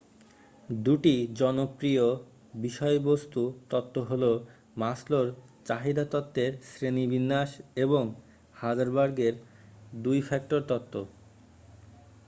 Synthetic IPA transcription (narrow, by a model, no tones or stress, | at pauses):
d̪uʈid͡ʑɔnopɾio | biʃɔebost̪ut̪ɔt̪ːoɦolo | masloɾt͡ɕaɦid̪at̪ɔt̪ːeɾsɾenibinːaʃeboŋ | had͡ʑaɾbaɾɡeɾ | d̪ujfɛk̚ʈoɾt̪ɔt̪ːo